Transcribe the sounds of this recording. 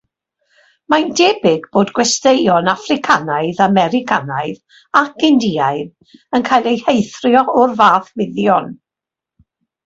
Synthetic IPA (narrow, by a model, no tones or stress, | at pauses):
mandɛbɪɡboːdɡwɛstejɔnafrɪkʰanaɨðamɛɾɪkʰanaɨð | akɪndiːaɨð | ənkʰajlˠejhejθrjɔʔʊrvaːθwɪðjɔn